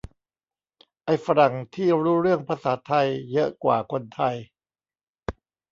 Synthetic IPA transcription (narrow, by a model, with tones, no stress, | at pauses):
ʔa˧jfa˧ɾa˨˩ŋt̪ʰiː˥˩ɾuː˦˥ɾɯ˥˩əŋpʰa˧saː˩˦t̪ʰa˧jːɤ˦˥ʔkwa̰ː˨˩kʰo˧nt̪ʰa˧j